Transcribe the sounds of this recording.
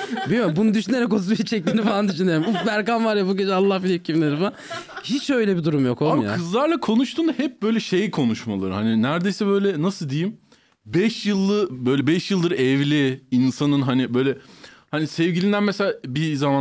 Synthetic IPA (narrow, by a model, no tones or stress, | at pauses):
bilʲjombunud̪yʃyne̞ɾɛk̬ot̪sat͡ʃʰɛc̚t̪iːnifalˠand̪yʃ̬yneɾimufbæɾkamvaɾjabuɟed͡ʒɛalˠːahfilʲicʰimnʲeɾifaahit͡ʃø̞jlʲɛbid̪uɾumjo̞koamujakːʰɯzlˠaɾlˠakʰo̞nuʃt̪ʰuːnd̪ahɛp̚b̥ø̞jlʲɛʃejkʰo̞nuʃma̰lˠa̰ɾɯhaninæɾd̪e̞jsɛbø̞jlʲɛnasɯlˠd̪ejim | bɛʃjɯlˠːɯbø̞jlʲɛbɛʃjɯlˠd̪ɯɾɛvlʲiinsanɯnɦanibø̞jlʲɛhanisɛvɟilʲind̪ænmeselʲaːbizama